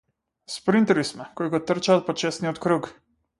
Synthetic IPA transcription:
spɾint̪ɛlismɔkɔjɡɔt̪əɾt͡ʃalpɔt͡ʃeːsniɔt̪kɾuːk

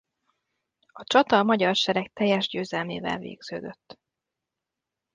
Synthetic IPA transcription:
ɒt͡ʃɒt̪ɒmɒɟɒrʃɛɾɛk̚t̪ɛjːɛʒɟøːzɛlmeːvɛ̰lvḛːɡz̥øːd̪øt̪ː

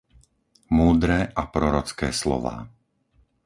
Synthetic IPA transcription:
muːd̪ɾɛːʔapɾɔɾɔt͡skɛːslɔ̰ʋa̰ː

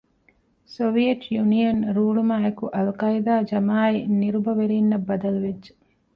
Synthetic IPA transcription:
soʋijeʈʰjunijɐnɾuːɭumaːekuʔɐlkɐid̪aːd͡ʒɐmaːiniɾubɐʋeɾiːnːɐbːɐd̪ɐluʋed͡ʒʒe̥

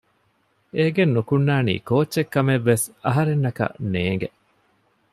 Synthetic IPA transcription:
eːɡenːukunːaːnḭːkoːtːt͡ʃːekːɐmeʋːesɐɦɐɾenːɐkɐ̰neːŋɡe

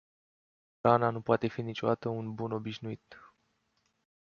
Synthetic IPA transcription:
ɾananupoat̪e̞finit͡ʃo̞d̪at̪əunbuno̞biʃnuit̪

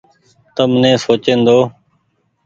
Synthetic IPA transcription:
t̪əmnẽːsoːt͡ʃẽːnd̪oː

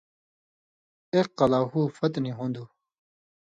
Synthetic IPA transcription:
eqːɐlaːɦuːfɐt̪niɦõːnd̪uː

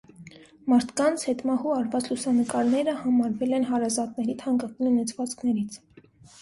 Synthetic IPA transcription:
mɑɾt̪ʰkɑnt͡sʰhɛt̪mɑhuɑɾvɑt͡sʰlusɑnəkɑɾnɛɾəhɑmɑɾvɛlɛnɦɑɾɑzɑt̪̚nɛɾit̪ʰɑŋkɑk̪inunɛt͡sʰvɑt͡skʰnɛɾit͡sʰ

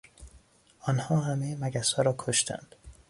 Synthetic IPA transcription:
ʔɒːnhɒːɦæmejemæɡæsɒːɾɒːkʰoʃt̪ʰæ̰nd̪̥

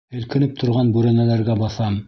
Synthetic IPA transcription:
ɘ̆lkɘ̆nɘp̚t̪ʰŏɾʁɑnbʉɾænælæɾɡæbɑθɑm

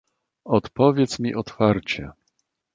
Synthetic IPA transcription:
ɔt̪pɔvʲjɛt̪smʲiʔɔt̪faɾt͡ɕɛ̰

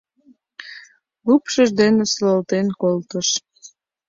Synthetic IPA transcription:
lupʃəʒd̪enesləlt̪enkolt̪əʃ

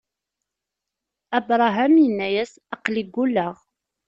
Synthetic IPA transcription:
æbɾˤɑɦæmjənːæjæs | ɑqliɡːulːəʁ

